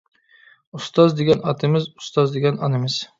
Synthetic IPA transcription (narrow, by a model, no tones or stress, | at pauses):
ʊst̪ɑzd̪eɡʲɛnɒt̪ʰɪmɪzʊ̥st̪ɑzd̪eɡʲɛnɒnɪmɪz̥